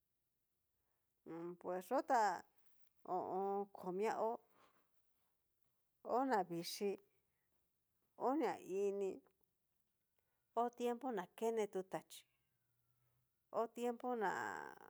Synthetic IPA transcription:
pwe˨sʐo˦t̪a˦˧ | o̰˨ʔõ˧kʰo˨mj̃ã˦˧ʔo˦ | o˦nã˨βi˨ʂi˧ | o˦ɲã̰˨i˧nĩ˧ | o˦t̪je˦mpo˦nã˨ke˦nẽ˧t̪u˧t̪a˨t͡ʃi̥˧ | o˦t̪je˦mpo˦nã̰˨

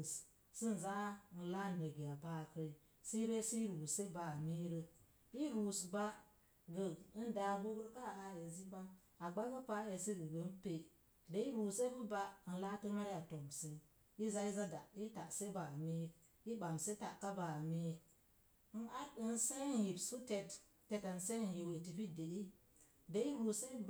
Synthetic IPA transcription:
s | si˦n̩˨za˦n̩˨la˦˨nə˨ɡi˨a˨ba˦˨kə˦ɾi˦ | si˦ɾe˦si˦ɾu˨se˦ba˨me˦ɾə˦ | i˦ɾu˨sba˦ | ɡə˨˦n˦da˨ɡo˦ɡə˦ɾka˦˨a˨e˨zi˦ba˦n | a˨ɡ͡ba˦ɡə˦pa˦e˨se˦ɡə˨ɡə˨˦n˦pe˨ | de˦i˦ɾu˨se˦bɨ˦ba˦n̩˨la˦tə˦ma˦ɾi˦ja˨to˨mse˨ | ji˦za˦i˦za˦da˨ji˦ta˨ʔse˦ba˨me˦ | ji˦ɓa˨m˨se˦ta˨ka˦ba˨me˦ | n̩˦a˦˨n̩se˦n˨ji˨bsu˦te˨t | te˨ta˨n̩˨se˦n˨ji˨we˨ti˨bi˦de˨i˦ | de˦i˦ɾu˨se˦b

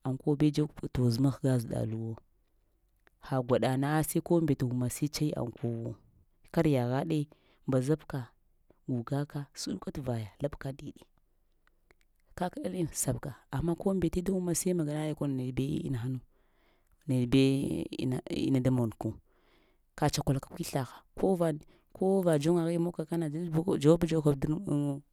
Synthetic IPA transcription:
a˨ŋkʷo˦be˦d͡ʒa˦˨to˨zu˦ma˦xɡa˦zu˨da̰˨lu˨wo˦ | ha˨ɡʷa˨ɗa˨na˦sa˦ko˦mbe˨ta˨u˨ma˨si˦t͡ʃa˦i˦a̰˨ŋko˦wo˦ | ka˦ɾja˨ɣa˦ɗe˦ | mba˨za˦bka˨ | ɡu˨ɡa˦ka˦su˦ɗka˦tva˨ja˨la˦bka˦di˨ɗi˨ | ka˦ka˦ɗa˦li˦sa˨bka˨a˨mːa˦ko˦mbe˨te˦da˦u˦ma˦sa˦i˦ma˨ɡa˨na˦ja˦ko˦n˨ne˨dbḛ˦ḭ˦na˨xa˦nu˨ | ne˨dbḛ˦˨a˨ḭ˦˨na˨da˦mo˨n˨ku˨ | ka˨t͡ʃa˨kʷa˨la˨ka˨kʷi˦ɬa˨xḁ˨ko˦va˨ | ko˦va˨d͡ʒo˦ŋa˨ɣi˦mo˦ka˨ka˦na˨d͡ʒd͡ʒa˨wa˦ba˦d͡ʒa˦ka˦˨du˦ɾmo˦

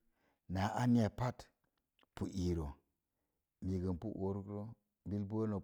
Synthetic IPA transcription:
na˨˦ʔa˦ni˦a˨pa˦t | pu˨ʔi˨ɾo˨ | mi˨ɡə˨npṵ˦ʔo˦ɾkɾo˦ | bi˦lbo˦no˨

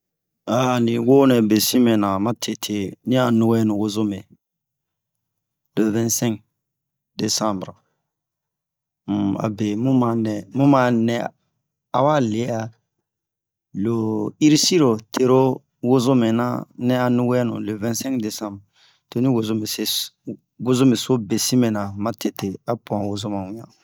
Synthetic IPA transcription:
a˨nĩ˨wo˦nɛ˨be˨sĩ˦mɛ̃˨nã˨mã˦tʰe˨tʰe˨nĩ˦a˨nũ˦wɛ˦nũ˨wo˦zo˦me˨ | lo˨vɛ̃˦nsɛ̃˦ŋk̚ | de˨sã˦mbɾ | m̩˨a̰˨be˨mũ˦ma˨˦nɛ˨mũ˦mã˨˦nɛ˨ | a˨wa˦le˨˦a˨ | lo˨i˦ɾi˦si˦ɾo˨tʰe˨ɾo˦ | wo˦zo˦me˨na̰˦nɛ̃˦a˨nũ˦wɛ˦nṵ̃˨le˨vɛ̃˦sɛ̃˦kde˨sã˦mbɾ | te˦nĩ˦wo˨zo˦me˨se˦ | wo˦zo˦me˨so˦be˨si˦mẽ˨nã˨mã˦te˨te˨a˦pã˨wo˦zo˦mã˨wũ˨ɲã̰˨

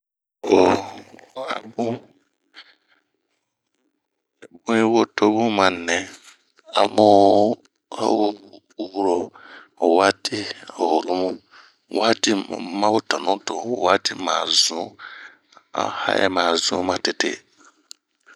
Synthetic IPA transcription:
o˨˦ | a̰˨bũ˦˨ | bũ˦i˦wo˦to˦bũ˦mã˨nɛ̃˨ | a̰˨mu˦ | a̰˦wo˦˨˦ | wu˦ɾo˨ | wa˦tʰi˦a˨ho˨lu˦mũ˦˨ | wa˦tḭ˦˨˦mã˦wʊ˦tɔ˨nũ˦to˨wa˦ti˦mã̰ː˨zũ˦ | a̰˨ha̰˦ʔɛ̰˨mã˨zṵ̃˨˦mã˦tɪ˨tɪ̰˦

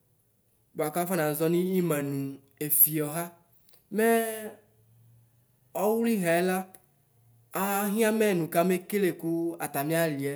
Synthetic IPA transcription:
ba˨ka˦fa˦nã˨zɔ˦nĩ˦i˦mɛ̃˨nũ˨ | e˨fi˨ɔ˨ɦa˦ | mɛ˦ | ɔ˦wu˦li˦ɦɛ˨ɛ˦la˦ | a˨˦ɦĩ˦a˦mɛ˦˨nũ˨ka˦me˦ke˦le˨ku˦a̰˨t̪a˨mĩ˦a˦li˨ɛ˦

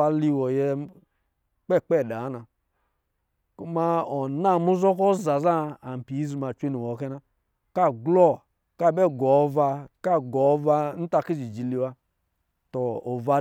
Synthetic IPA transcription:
a˧li˧wɔ˨jɛ˧ | k͡pɛ˦˨k͡pɛ˦˨da˨˦na˨ | ku˦ma˦ɔ˨na˦˨mu˦zɔ˦kɔ˦za˨za˦a˨m̩˨pi˨˦zi˨ma˨t͡ʃʷe˦ni˨wɔ˨˦kɛ˦na˦ | ka˦˨ɡlɔ˦˨ | ka˦˨bɛ˦˨ɡɔ˨˦va˧ka˦˨ɡɔ˨˦va˧n̩˦ta˧ki˦zi˨d͡ʒi˨li˧wa˦ | tɔ˨o˨va˧

